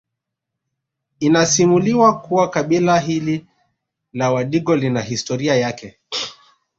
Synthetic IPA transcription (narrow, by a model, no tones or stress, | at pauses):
inasimuliwakuwakaɓilaɦili | lawaɗiɠɔlinaɦistɔɾiajakɛ